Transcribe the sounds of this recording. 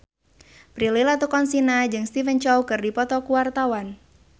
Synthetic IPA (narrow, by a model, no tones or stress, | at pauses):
pɾililat̪ukɔnsinad͡ʒɨŋst̪ifənt͡ʃɔwkɨrdipɔt̪ɔkuwart̪awan